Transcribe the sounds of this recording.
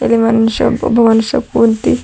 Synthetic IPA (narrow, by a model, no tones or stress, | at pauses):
ḛlimanʃɔ̰bo̰bʱɔmanuʃɔ̰kunt̪i